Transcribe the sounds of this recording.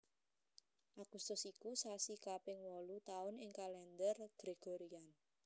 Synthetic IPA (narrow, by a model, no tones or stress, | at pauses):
ʔaɡ̥ust̪ʊsikusasikapɪŋwɔlut̪aʊnɪŋkalɛnd̪ərɡ̥ɾeɡ̥oɾian